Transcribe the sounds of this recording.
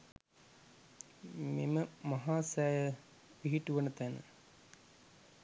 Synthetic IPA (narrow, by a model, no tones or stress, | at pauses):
miməmɐɦaːsaːjɐ | ʋiɦiʈːuʋɐnɐt̪ɐnə̰